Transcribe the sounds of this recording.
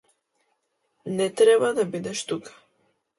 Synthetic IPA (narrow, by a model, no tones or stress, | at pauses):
net̪ɾeβaðebid̪eʃt̪ukḁ